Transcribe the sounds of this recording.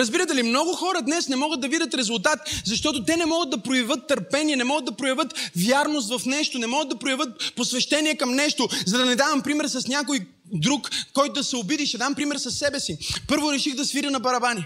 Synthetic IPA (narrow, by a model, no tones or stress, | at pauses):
ɾɐzbiɾət̪ɛlimnɔɡʊxɔɾəd̪nɛsnɛmɔɡəd̪̚d̪ɐvid̪ət̪ɾɛzʊlˠt̪at̪zɐʃt̪ɔt̪ot̪ɛnɛmɔɡəd̪̚d̪ɐpɾoɛvət̪ːɐɾpɛniɛnɛmɔɡəd̪ɐpɾojɐvɤt̪vjaɾnos̬t̪vɐfnɛʃt̪onɛmɔɡəd̪d̪ɐpɾojɐvɤt̪̚posvɛʃt̪ɛniɛkɐmnɛʃt̪ozɐd̪ɐnɛd̪avɐmpɾimɛɾsɐsnʲakoj | d̪ɾukkːɔjt̪ʊd̪ɐsɛobid̪iʃt̪ɛd̪ampɾimɛɾsɐsːɛbɛsipɤɾvoɾɛʃiɣd̪ɐsviɾʲɐnɐpɐɾɐbani